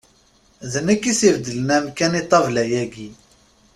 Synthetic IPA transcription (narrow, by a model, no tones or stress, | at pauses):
ðənəkːisivd̪ələnæmkænit̪ˤːɑvlæjæɡi